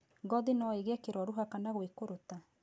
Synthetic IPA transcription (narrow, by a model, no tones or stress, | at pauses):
ɡɔðenɔeɣɛkeɾɔɾuɦakanaɣwekoɾota